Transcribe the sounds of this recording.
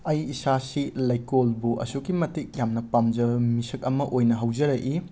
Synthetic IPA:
ɐjisasilɐjkolbuʔɐ̰sukimɐtik̚jamnɐpamd͡ʒɐmisɐk̚ɐmɐʔojnɐɦɐwd͡ʒɐɾɐʔi

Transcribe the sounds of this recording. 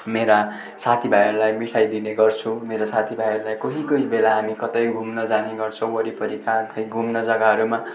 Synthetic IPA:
meɾa | sat̪ʰibʱajʌɾulajmiʈʰajd̪ineɡʌrt͡sʰũmeɾosat̪ʰibʱajʌɾulajkoɦikʌibelaɦamikʌt̪ʌjɡʱumnʌd͡zaneɡʌrt͡sʰʌ̃w̃ʌɾipʌɾikʰat̪ʰʌjɡʱumnʌd͡zʌɡaɦʌɾuma

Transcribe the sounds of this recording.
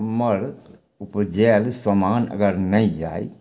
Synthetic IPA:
mɐɾ | ʊpd͡ʒeːlsɐmaːnɐ̰ɡɐɾnɐid͡ʒa̰ːḭ

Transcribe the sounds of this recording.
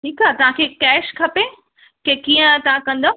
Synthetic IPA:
ʈʰiːkaːt̪ɐʋ̤ãkʰeːkɛːʃkʰɐpe | kekiːə̃t̪ɐʋ̤ãkɐ̃nd̪o

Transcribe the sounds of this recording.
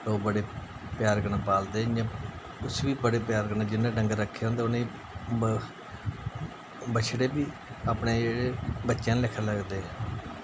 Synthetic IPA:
oːbəɽeː | pjaːɾɡəɳaːpaːld̪eːãː | ʊsʋiːbəɽeːpjaːɾɡəɳẽd͡ʒɪnːãːɖəŋɡɾəkʰːeːɦõːnd̪eːʊnẽː | bət͡ʃʰɽeːbiː | aːpɳeːeɽeːbətːʃjãːlɪkʰːəɾləɡd̪eː

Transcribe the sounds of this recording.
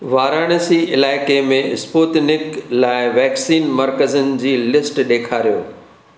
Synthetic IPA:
ʋaːɾaːɽ̃əsiɪlaːɪkemẽɪspoːt̪nɪklaːɪʋɛːksiːnmɐɾkəzənɪ̆d͡ʑiːlɪsʈɗeːkʰaːɾijo̰ː

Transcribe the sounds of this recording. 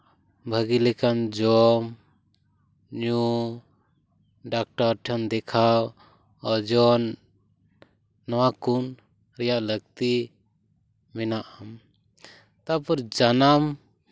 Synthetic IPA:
bʱəɡilɛkand͡ʒɔm | ɲu | ɖak̚ʈaɾʈʰənd̪ɛkʰaw | ɔd͡ʒɔn | ɔwakun | ɾɛjaʔləɡ̚t̪i | mɛnaʔam | t̪apɔɾd͡ʒanam

